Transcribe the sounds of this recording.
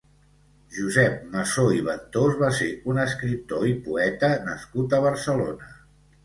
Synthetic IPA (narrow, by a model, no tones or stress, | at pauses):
ʒuzɛp̚məsoiβ̞ənt̪ozβaseunəskɾip̚t̪oipuɛt̪ənəskut̪əβ̞əɾsəlonə